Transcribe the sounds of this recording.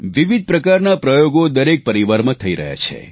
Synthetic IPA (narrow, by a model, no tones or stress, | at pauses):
ʋiʋid̪̚ʱpɾəkaɾnapɾəjoɡod̪əɾek̚pəɾiʋaɾmãt̪ʰəiɾə̰ɦja̰t͡ʃʰḛ